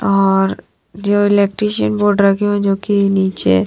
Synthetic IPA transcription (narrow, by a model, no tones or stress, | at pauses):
ɔːɾ | d͡ʒoːɪleːk̚ʈɾiːʃənboːɾɖɾɐkʰeoɛ̃d͡ʒoːkiniːt͡ʃḛ